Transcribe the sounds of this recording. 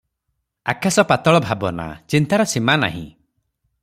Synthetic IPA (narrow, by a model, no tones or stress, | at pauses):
akʰasɔpat̪ɔɭɔbʱabɔna̰t͡ʃint̪aɾɔsimana̰ɦḭ̃